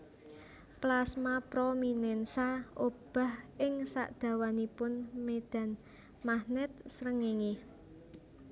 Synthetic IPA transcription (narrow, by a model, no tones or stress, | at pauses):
plasmapɾominɛnsaob̥a̤hɪŋsa̰ʔd̪̥ä̤wanipʊnmed̪̥ä̤n | mahnɪt̪̚sɾəŋeŋe